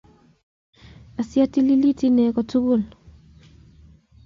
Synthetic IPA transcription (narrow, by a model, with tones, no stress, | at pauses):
a˨sja˦ti˦li˦li˦ti˦nɛ˨kɔ˨tu˦ɡu˦˨l